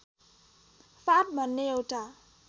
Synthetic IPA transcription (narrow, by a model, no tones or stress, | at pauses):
fat̚manːeowta